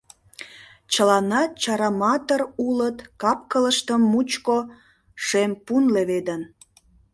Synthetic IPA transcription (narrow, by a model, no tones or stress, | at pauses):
t͡ɕəlɑnɑt͡ɕɑɾɑmɑt̪ərulət̪kɑpkələʃt̪əmːut͡ɕko | ʃempunleβed̪ən